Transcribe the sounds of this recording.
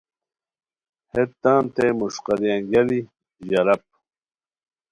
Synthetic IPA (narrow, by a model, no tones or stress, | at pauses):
het̪ːaːnt̪emuʂqɑɾjaŋɡɐli | ʑɐɾɐp̚